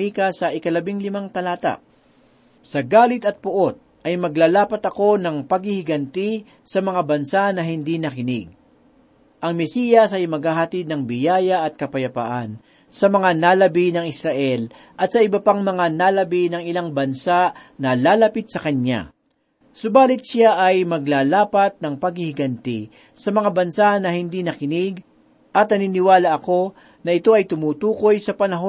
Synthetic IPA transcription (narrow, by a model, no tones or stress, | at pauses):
ikɐsɐʔɪkɐlɐbiŋlɪmaŋt̪ɐlaːt̪a̰ʔ | sɐɡaːlɪt̪ɐt̪̚pʊʔo̞t̪̚ | ʔɐjmɐɡlaːlaːpɐt̪ɐko̞nɐŋpɐɡhɪhɪɡɐnt̪i | sɐmɐŋabɐnsanɐɦɪnd̪inɐkɪnɪɡ̚ | ʔɐŋmɛsiːjɐsʔɐjmɐɡ̚haːɦɐt̪id̪̚nɐŋbɪjaːjɐʔɐt̪̚kɐpɐjɐpa̰ʔan | sɐmɐŋanalɐbinɐŋɪsɾaʔɛl | ʔɐt̪̚sɐɪbɐpaŋmɐŋanalɐbinɐŋɪlaŋbɐnsaʔnɐlaːlɐpit̪̚sɐkɐɲːa̰ | sʊbaːlɪt̪sɪaʔɐjmɐɡ̚laːlaːpɐt̪̚nɐŋpɐɡ̚hɪhɪɡɐnt̪ḭ | sɐmɐŋabɐnsanɐhɪnd̪inɐkɪnɪɡ | ʔɐt̪̚nɐninɪwaːlɐʔɐko̞ | nɐʔɪt̪o̞ʔɐjt̪ʊmuːt̪uːko̞jsɐpɐnɐɦo